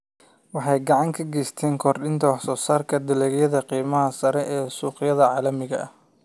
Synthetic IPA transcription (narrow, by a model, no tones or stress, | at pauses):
wɑħɑjɡɑʕɑŋkʰɐɡɛjst̪ʰɛːŋkʰɔrɗɪnt̪ʰɐwɑħsɔːsaːrkʰɐd̪ɪlɛːɣjɐðɐqiːmɐɦɐsɐɾɛʔɛːsuːqɪjɐðɐʕɑːlɐmɪɣɐɐ